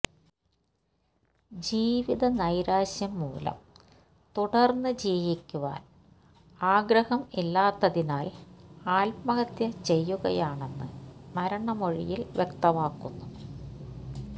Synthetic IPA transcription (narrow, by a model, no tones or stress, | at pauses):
d͡ʑiːʋiðɐnɐjɾaːɕjɐmːṵːlɐ̰m | t̪uɽɐrnːɨd͡ʑiːʋikʲːuʋa̰ːn | aːɡɾɐhɐmilːaːt̪ːɐðinaːlaːlpmɐɣɐt̪jɐt͡ɕe̞jːuɣɐ̰jaːɳe̞nːɨmɐɾɐɳɐmoɻḭjilʋjekt̪ɐmaːkːunːu